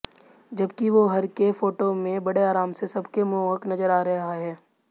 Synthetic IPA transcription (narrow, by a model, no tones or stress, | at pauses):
d͡ʒɐbkiʋoɦɐɾkefoːʈomẽbɐɽeaːɾaːmsesɐbkemʊəknɐzəɾaːɾɐɦaɦɛː